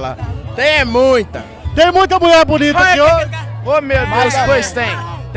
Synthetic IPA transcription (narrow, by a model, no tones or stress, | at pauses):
lɐ̰t̪ẽj̃ɛmũj̃t̪ɐ | t̪ẽj̃mũj̃t̪ɐmuʎɛɾbũnit̪ɐkioomewd̪espojst̪ẽj̃t̪